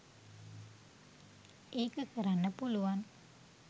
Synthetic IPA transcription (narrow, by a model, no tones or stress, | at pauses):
eːkəkəɾanːəpuluʋan